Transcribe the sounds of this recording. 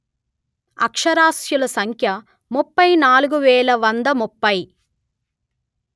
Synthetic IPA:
ɐkʂɐɾaːsjulɐsɐŋkʰjɐ | mupːɐjnaːluɡuʋɛːlɐʋɐnd̪ɐmupːɐj

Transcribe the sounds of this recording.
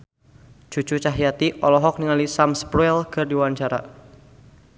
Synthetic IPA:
d͡ʒ̥ut͡ʃut͡ʃaɦijat̪iʔɔlɔɦɔk̚niŋalisamspɾuɛlkɨrdiwaɲt͡ʃaɾa̰

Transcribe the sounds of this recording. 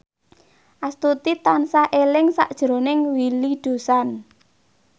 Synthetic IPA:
ʔast̪ut̪it̪ansaʔelɪŋsa̰ʔd̥ʒ̥ɾo̤nɪŋwiliɖ̥o̤san

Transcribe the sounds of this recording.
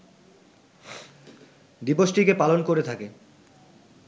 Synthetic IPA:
d̪iboʃʈikepalonkoɾet̪ʰake

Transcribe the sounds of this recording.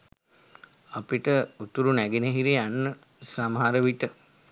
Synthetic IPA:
apiʈəut̪uɾunæɡinəɦiɾianːə | samaɦaɾəʋiʈə

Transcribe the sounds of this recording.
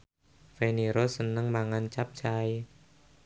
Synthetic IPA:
feniɾosənəŋmaŋant͡ʃap̚t͡ʃaj

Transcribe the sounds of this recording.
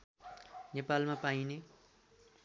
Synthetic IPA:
nepalmapaine

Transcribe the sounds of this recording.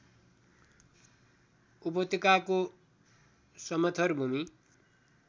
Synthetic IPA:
upʌt̪ikako | sʌmʌt̪ʰʌrbʱumi

